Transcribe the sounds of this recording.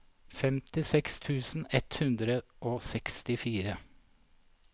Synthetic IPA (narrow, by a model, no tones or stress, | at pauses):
fɛmt̪ɪsɛkst̪ʰʉːsn̩ɛt̪hʉnd̪ɾəʔoːsɛkst̪ɪfiːɾə